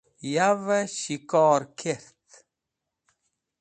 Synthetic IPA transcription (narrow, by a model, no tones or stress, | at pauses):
javəɕikɔːɾkʰeɾt̪